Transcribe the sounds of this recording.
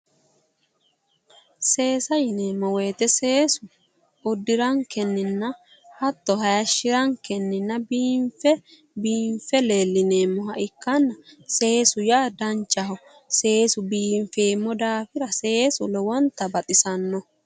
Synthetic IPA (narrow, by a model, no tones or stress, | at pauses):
se̞ːsɐjɪneːmːɔwe̞ːt̪ɛseːsʊ | ʊd̪ːɪɾɐŋkɛnːɪnːɐ | hɐt̪ːɔɦɐjɐʃːɪɾɐŋkɛnːɪnːɐbiːɱfɛ | biːɱfɛle̞ːlːɪne̞ːmːɔhɐʔɪkːɐnːɐse̞ːsʊjaːd̪ɐnt͡ʃʼːɐɦɔ | se̞ːsʊbiːɱfeːmːɔd̪aːfɪɾɐse̞ːsʊlɔwɐnt̪ːɐbɐt̪ʼɪsɐnːɔ